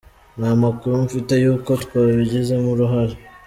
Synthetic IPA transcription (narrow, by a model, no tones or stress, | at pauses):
namakuɾumfite̞juːko̞tkwaːβiɟize̞muɾuɦaɾi